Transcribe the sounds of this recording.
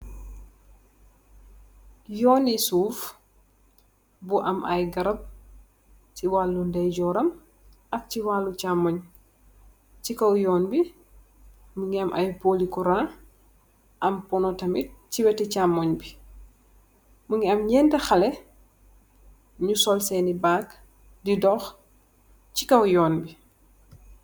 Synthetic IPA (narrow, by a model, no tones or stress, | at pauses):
jɔːnisuːf | buʔɐmʔɐjɡɐɾɐp̚ | ciwaːlːundɛɟɔːɾɐm | ɐk̚ciwaːlːut͡ʃamːɔɲ | cikɔwjɔːnbi | məŋɡiɐmʔɐjpoːlikuɾa | ʔɐmpɔnɔtɐmit̚ciwɛtɛcamːɔɲbi | muŋɡiɐmɲɛndɛxɐlɛ | ɲusɔlsɛnibaːk | didɔːx | cikɐwjɔːnbi